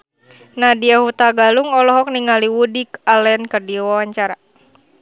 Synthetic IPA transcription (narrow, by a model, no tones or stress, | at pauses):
nadiahut̪aɡaluŋɔlɔɦɔk̚niŋaliwudikalɛnkərdiwawaɲt͡ʃaɾa